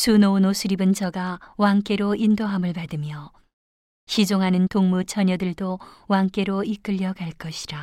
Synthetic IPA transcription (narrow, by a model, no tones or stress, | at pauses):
sunonosʰɯɾibɯnt͡ɕʰʌɡawaŋk͈e̞ɾoʔindoɦamɯɭpadɯmjʌ | ɕid͡ʑoŋɦanɯntoŋmut͡ɕʰʌɲʌdɯɭdowaŋk͈e̞ɾoik͈ɯʎːʌɡaɭk͈ʌɕʰi̥ɾa